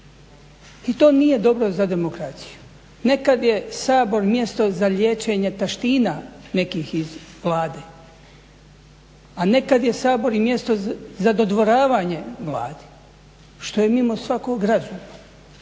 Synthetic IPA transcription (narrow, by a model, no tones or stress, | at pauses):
it̪o̞ːnije̞d̪o̞bɾo̞zad̪e̞mokɾat̪si̥ju̥ | ne̞kad̪je̞saːbo̞ɾmje̞st̪o̞zaʎje̞ːt͡ʃe̞ɲe̞t̪aʃt̪iːnane̞kiːxizʋlˠaːd̪eː | ane̞kad̪je̞saːbo̞ɾimje̞st̪o̞zad̪o̞d̪ʋo̞ɾaːʋaːɲe̞ʋla̰ːd̪i̥ | ʃt̪o̞jemimosʋakoɡɾazuːno